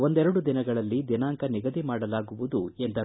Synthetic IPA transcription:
o̞nd̪ɛɾɐɽud̪inɐɡɐɭɐlːid̪inaːŋkɐniɡɐd̪imaːɽɐlaːɡuʋud̪uend̪ɐ

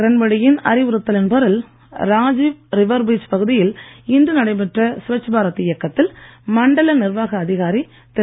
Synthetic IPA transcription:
ɪɾɐnbɐɽɪjɪnɐ̰ɾɪʋɯɾɯt̪ːɐlɪnpɐɾɪl | ɾaːd͡ʒiʋɾɪʋɐɾbit͡ʃpɐɣɯðɪjɪlɪnd̪ɯnɐɽɐɪpɛʈrɐsʊʋɐt͡ʃːɐbaːɾɐt̪ːɪjɐkːɐt̪ːɪlmɐɳɖɐlɐnɪɾʋaːɣɐːðɪɣaːɾi | t̪ɛ

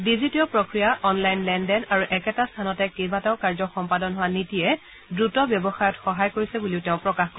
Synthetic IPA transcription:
dizitiɔpɹokɹijaʔɔnlajnlɛndɛnaɹuʔɛkɛtastʰanɔtɛkejbataʊkaɹzɔxɔmpadɔnɦʊwanitiɛ | dɹutɔbjɔbɔxajɔtxɔɦajkoɹisɛbuliʊteʊ̃pɹɔkaxkɔɹɛ

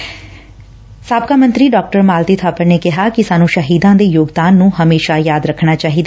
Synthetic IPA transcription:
saːb̚kaːmə̃nt̪ɾiːɖɔːk̚ʈəɾmaːlt̪iːt̪ʰaːpəɾneːkɪɦaːkɪsaːnũːʃəɦiːd̪ãːd̪eːjoːɡd̪aːnːũːɦəmeːʃaːjaːd̪ɾəkʰnaːt͡ʃaːɦiːd̪aː

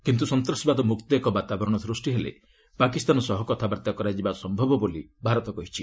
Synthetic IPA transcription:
kint̪̬usɔnt̪ɾɔsibad̪ɔmukt̪ɔekɔbat̪abɔɾɔɽ̃ɔsɾusʈiɦelḛ | pakist̪anɔsɔɦɔkɔt̪ʰabaɾt̪jakɔɾad͡ʒibasɔmbʱɔbɔbolibʱaɾɔt̪ɔkɔɦit͡ʃʰi

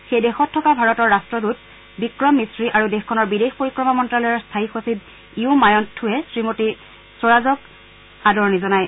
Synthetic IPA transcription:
xejdexɔtʰːɔkabʱaɹɔtɔɹːastɹɔdut̚ | bikɹɔmːisɹiʔaɹudexkʰɔnɔɹbidexpoɹikɹɔmamɔntɹalɔjɔɹstʰaixosid | iumajɔntʰːuɛsɹimoti | sɔɹazɔk | adɔɹnizɔnaj

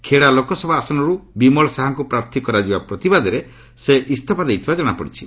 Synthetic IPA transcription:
kʰeɽalokɔsɔbʱaːsɔnɔɾubimɔɭɔsaɦaŋkupɾaɾt̪ʰikɔɾad͡ʒibapɾɔt̪ibad̪ɔɾe | seʔist̪ʰapad̪ejt̪ʰibad͡ʒɔɽ̃apɔ̰ɽit͡ʃʰi̥

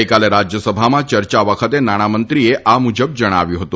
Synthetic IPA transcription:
jkaleɾad͡ʒjəsəbʱamãt͡ʃəɾt͡ʃaʋəkʰət̪enaɽ̃amənt̪ɾieʔamud͡ʒəb̚d͡ʒəɽ̃a̰ʋjuɦət̪ũ

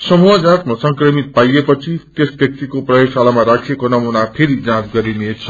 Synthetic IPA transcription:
sʌmuɦʌd͡zãt̪masʌŋkrʌmit̪̚pajepʌt͡sʰit̪esbjʌk̚t̪ikoprʌjoɡsalamaɾakʰekonʌmunapʰeɾid͡zãt͡sɡʌɾinet͡sʰʌ

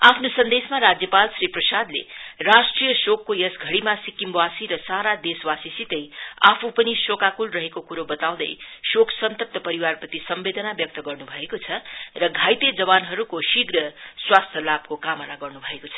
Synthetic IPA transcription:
apʰnosʌnd̪esmaɾad͡zjʌpalsriprʌsad̪lḛrasʈrijʌsokːojʌsɡʱʌɽimasikimbwasiɾʌsaɾad̪eswasisit̪ʌja̰pʰupʌnisokakulrʌɦekokuɾobʌt̪aw̃d̪ʌ̰jsoksʌnt̪ʌp̚t̪ʌpʌɾiwarpʌt̪isʌmbed̪ʌnabjʌk̚t̪ʌɡʌrnubʱʌekot͡sʰʌrʌɡʱajt̪ed͡zʌβanɦʌɾukosiɡrʌswast̪ʰʌlab̚kokamʌnaɡʌrnubʱʌekot͡sʰʌ̥

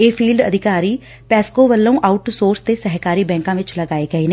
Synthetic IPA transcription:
eːpʰiːlɖə̰d̪ʱɪkaːɾiː | pɛːskoːʋəlːũːʔaːʊʈsoːɾst̪eːsəɦkaːɾiːbɛ̃ːŋkãːʋɪt͡ʃləɡaːeːɡəeːneː

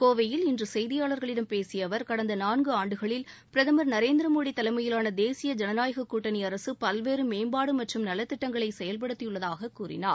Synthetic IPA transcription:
koːʋɐjɪlɪndrɯsɛjðɪjaːɭɐɾɣɐɭɪɽɐmpeːsɪjɐʋɐɾkɐɽɐnd̪ɐnaːnɡɯaːɳɖɯɣɐɭɪl | pɪɾɐðɐmɐɾnɐɾeːnd̪ɾɐmoːɽit̪ːɐlɐɪmɐjɪlaːnɐd̪eːsɪjɐd͡ʒɐnɐnaːjɐɣɐkːuːʈːɐniɐɾɐsɯpɐlʋeːɾɯmeːmbaːɽɯmɐʈrɯmnɐlːɐt̪ːɪʈːɐŋɡɐɭɐɪsɛjɐlp̬ɐɽɯt̪ːɪjɯɭːɐðaːɣɐkːuːɾɪ̰na̰ːɾ

